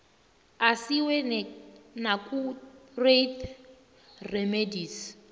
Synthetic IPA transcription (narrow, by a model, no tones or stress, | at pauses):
asiwɛ | nakʼuret̪ʰ | rɛmediːs